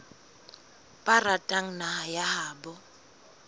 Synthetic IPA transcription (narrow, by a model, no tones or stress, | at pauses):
pʼaratʼaŋ̩nahajahaːbɔ